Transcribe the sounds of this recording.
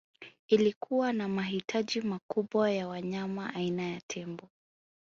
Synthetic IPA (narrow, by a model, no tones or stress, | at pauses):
ilikʰuwanamaɦitʰaʄimakuɓwajawaɲamaʔainajatʰɛmbɔ